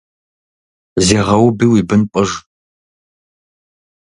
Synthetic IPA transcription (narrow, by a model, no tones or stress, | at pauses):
zeːʁɐwbiːwiːbɨnpʼɐʒ